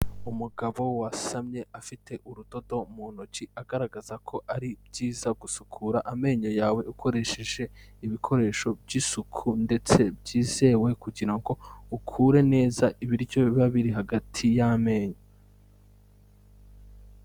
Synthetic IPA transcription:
umuɡaβo̞wasamɲe̞afitʰe̞ʔuɾudo̞do̞muːnot͡ʃiaɡaɾaɡazakʰo̞ʔaɾib̚ɟiːzaɡusukʰuɾaʔame̞ːɲo̞jaːwe̞ukʰo̞ɾe̞ʃe̞ʒe̞ | iβikʰo̞ɾe̞ːʃo̞bɟisukʰunde̞t͡se̞bɟiːze̞we̞kuɟiɾaŋɡo̞ukʰuːɾe̞ne̞ːzaʔiβiɾjo̞iβaβiɾiɦaɡatʰijame̞ːɲo

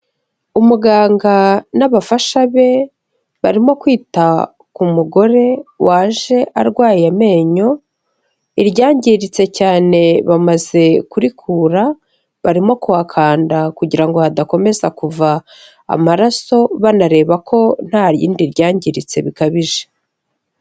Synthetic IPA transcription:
umuɡaːŋɡanaβafaʃaβe̞ | βaɾimo̞kwiːta | kumuɡo̞ɾe̞waːʒe̞ʔaɾɡwaːjame̞ːɲo̞ | iɾɟaːɲɟiɾit͡se̞caːne̞βamaze̞kuɾikʰuːɾa | βaɾimo̞kuakʰaːndakuɟiɾaŋɡo̞hadako̞me̞zakuva̰ː | maɾaso̞βanaɾe̞ːβakʰo̞n̥haːɾjḭːndiɾɟaːɲɟiɾit͡se̞̰βikaβiʒe

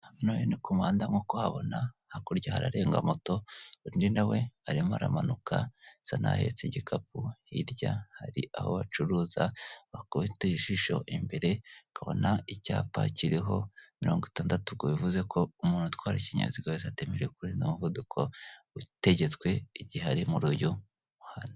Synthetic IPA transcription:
nojenikumaːndamokohaβo̞̰nahakuɾɟahaɾa̰ɾe̞ːŋɡa̰moto̞ɾininawe̞aɾimuaɾa̰manukʰasana̰he̞̰t͡seɟikʰapuiɾɟahaɾiʔaho̰βat͡ʃuɾuːzaβakoβiteiʃiʃo̞̰ʔimbe̞ɾe̞kaβo̞̰naicaːpa̰ciɾeɦo̞miɾo̞ːŋɡoitaːndatuɡoβivuze̞kʰo̞umuːnutwaːɾaciɲa̰iziɡawezate̞meɾejekuɾiːnzomuvudukʰo̞ | ute̞ɟe̞t͡skwe̞iɟiɦaɾimuɾuːju | uhana

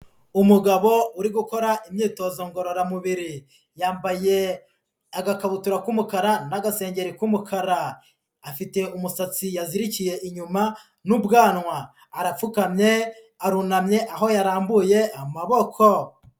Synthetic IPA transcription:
umuɡaβo̞uɾiɡuko̞ɾaʔimɲiːto̞zo̞ŋɡo̞ɾoɾamuβiɾi | jaːmbaje̞ | aɡakaβutuɾakumukaɾanaɡase̞ːɲɟe̞ɾikumukʰaɾaː | fite̞umusat͡sijaziɾicije̞ʔiɲuma | nubɡaːnŋwaː | ɾafukamɲe̞ | aɾunamɲe̞ʔaɦo̞jaɾaːmbuje̞amaβo̞kʰo̞

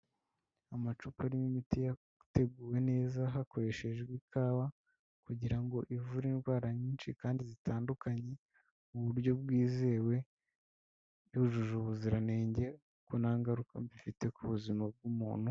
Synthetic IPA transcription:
amat͡ʃupaɾimimitija | te̞ɡuːwe̞ne̞ːzaɦako̞ɾe̞ʃe̞ʒɡwikʰaːwa | kuɟiɾaŋɡo̞ʔivuɾinɡwaːɾaɲiːnt͡ʃḭkaːndizitaːndukaɲe̞ | uβuɾɟo̞bɡwiːze̞ːwe̞ | juʒuʒuβuziɾane̞ːɲɟe̞ | ukonaːŋɡaɾukambifite̞kuβuzimab̚ɡumuːn̥hu

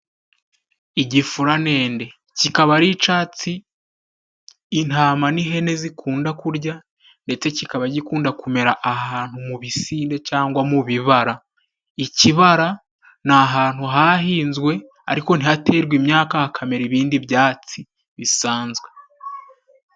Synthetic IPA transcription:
iɟifuɾane̞ːnde̞ | cikaβaɾit͡ʃaːt͡si | n̥haːmaniɦe̞nezikʰuːndakuɾɟa | nde̞t͡se̞cikaβaɟikuːndakume̞ɾaʔaɦaːn̥humuβisiːnde̞caːŋɡwamuβiβaɾa | iciβaɾa | naɦaːn̥huɦahiːnzɡwe̞ | a̰ɾiko̞n̥ihate̞ːɾɡwimɲaːkahakʰame̞ɾiβiːndiβjaːt͡si | βisaːnzɡwe̞

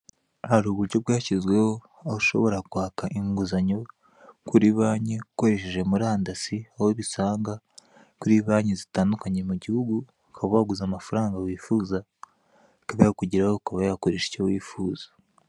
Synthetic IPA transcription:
haɾuːβuɾɟo̞bɡaːcizɡwe̞ho̞ | auʃo̞̰βo̞ɾakwaːkaʔiŋɡuzaɲo̞ | kuɾiβaːɲeuko̞ɾe̞ʃeʒe̞muɾaːndasiahoβisaːŋɡa | kuɾiβaːɲezitaːndukaɲe̞muɟihuɡu | kʰaβawaɡuzamafaɾaːŋɡawiːfuːza | kaβajakuɟiɾahokaβajakoɾeʃe̥cowiːfuːz̥ḁ

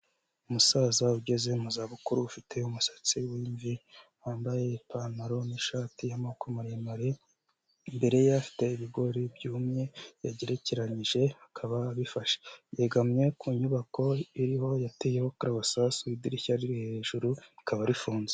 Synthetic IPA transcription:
umusaːzauɟe̞ze̞muzaːβukuɾuːfitʰe̞umusḁt͡siwiːɱvihaːmbaje̞panaɾo̞niʃaːtijamokemuɾemaɾe | imbe̞ɾe̞jafi̥te̞iβiɡo̞ɾibjuːmɲe̞jaɟe̞ɾe̞ce̞ɾaɲiʒe̞hakʰaβaβifaʃe̥jeɡamɲe̞kuɲuβako̞iɾiho̞jatejehokaɾaβasasuidiɾiçaɾiɾihe̞ʒ̥uɾuikʰaβaɾifuːnze

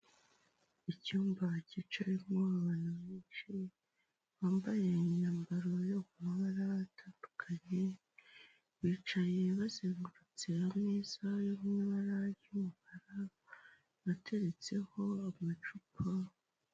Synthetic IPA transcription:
icuːmbacit͡ʃaɾimoaβanaβeːʃe | βaːmbaje̞ɲaːmbaɾo̞jokumaβaɾatʰaːndukʰaɲe̞ | βiːt͡ʃaje̞βazeːŋɡuɾut͡se̞amŋiːz̥ajoβŋaβaɾajumubaɾa | βatʰe̞ɾe̞t͡se̞ho̞amat͡ʃupʰa

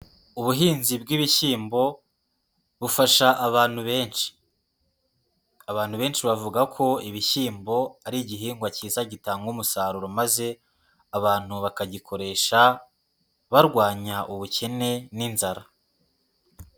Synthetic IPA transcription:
uβuɦiːnzib̚ɡiːβiçiːmbo̞ | βufaʃaʔːβaːn̥huβe̞ːnʃi̥ | aβaːn̥huβe̞ːnʃiβavuɡakʰo̞iβiçiːmbo̞aɾiɟiɦiːŋɡwaciːzaɟitaːŋɡumusaːɾuɾomaze̞ | aβaːn̥huβakaɟikʰo̞ɾe̞ːʃa | βaɾɡwaːɲaʔuβucʰe̞ne̞ninzaɾa

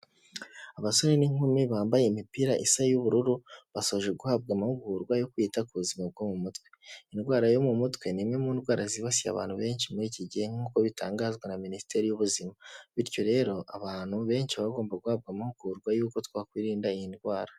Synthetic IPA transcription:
aβasoɾeniŋumiβaːmbaje̞imipiɾaʔisajuβuɾuɾuβasoβoʒe̞ɡuhab̚ɡamahuɡuɾɡwajo̞kwiːtakuβuzimab̚ɡomumutwe̞inɡwaːɾajo̞mumutkwe̞nimŋe̞muːndɡwaːɾaziβasia̰βa̰ːnhuβe̞ːnʃimuɾiːciɟiheŋ̥uːko̞βitaːŋɡaːzɡwenaminisi̥te̞ɾijuβuzimaβiɾco̞ɾe̞ːɾo̞ʔaβaːn̥huβe̞ːnʃiβaɡo̞ːmbaɡuhaːb̚ɡamahuɡ̥uɾɡwajuːko̞twaːkwiːɾiːndaijinɡwaːɾa

